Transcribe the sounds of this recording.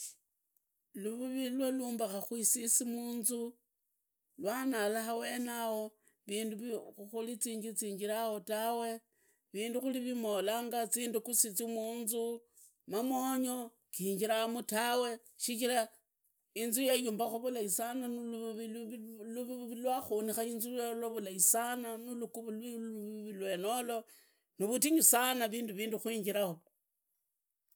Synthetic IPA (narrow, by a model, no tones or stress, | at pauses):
luβuβilwaluːmbaxaxwisisimuːnzu | lwanalaxawe̞ːnawo̞ | βiːnduβuxulit͡siːɲd͡ʒit͡siːɲd͡ʒiɾahotawe̞ | βiːnduxuliβimo̞laːŋɡat͡siːndukusit͡simuːnzu | mamoɲo̞ | kiːɲd͡ʒiɾamutawe̞ | ʃikiɾa | inzujejuːmbaxuβulaisananuluβiluβiβilwaxonixainzujelwaβulaisananulukuβulwuββilwe̞no̞lo̞ | niβutiɲisanaβiːnduβiːnduxwiːɲd͡ʒiɾaho